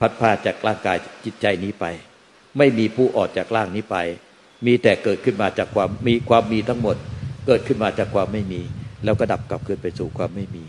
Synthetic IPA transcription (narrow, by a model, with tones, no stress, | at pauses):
pʰa˦˥t̪̚pʰaː˥˩t̪̚t͡ɕaː˨˩k̚ɾʔaː˥˩ŋkaː˧jt͡ɕi˨˩t̪̚t͡ɕa˧jniː˦˥pa˧j | ma˥˩jmiː˧pʰuː˥˩ʔɔː˨˩k̚t͡ɕaː˨˩k̚ɾaː˥˩ŋniː˦˥pa˧j | miː˧t̪ɛː˨˩kɤː˨˩t̪̚kʰɯ˥˩nmaː˧t͡ɕaː˨˩kʰwaː˧mːiː˧kʰwaː˧mːiː˧t̪ʰa˦˥ŋmo˨˩t̪̚kɤː˨˩t̪̚kʰɯ˥˩nmaː˧t͡ɕaː˨˩kʰwaː˧mːa˥˩jmiː˧lɛ˦˥wkɔː˥˩da˨˩p̚ka˨˩p̚kʰɯː˧npa˧jsuː˨˩kʰwaː˧mːa˥˩jmiː˧